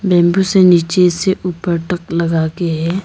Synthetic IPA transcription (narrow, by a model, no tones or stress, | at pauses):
bɛ̃ːmbuseniːt͡ʃeseʔuːpəɾʈəkləɡaːkeɦɛː